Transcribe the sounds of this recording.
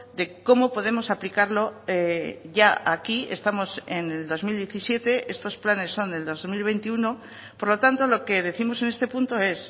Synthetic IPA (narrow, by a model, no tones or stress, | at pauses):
d̪e̞ko̞mo̞po̞ð̞e̞mo̞saplikaɾlo̞eʝaakie̞̰st̪amo̞seneld̪o̞zmild̪jeθisje̞t̪e̞e̞st̪o̞splane̞sːo̞nd̪e̞ld̪o̞zmilβe̞jnt̪iuno̞ | po̞ɾlo̞t̪ant̪o̞lo̞ke̞ð̞e̞θimo̞se̞ne̞st̪e̞punt̪o̞e̞s